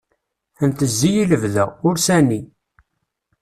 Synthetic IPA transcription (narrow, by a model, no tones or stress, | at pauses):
ənt̪əzːijiləvðæʊɾsænːi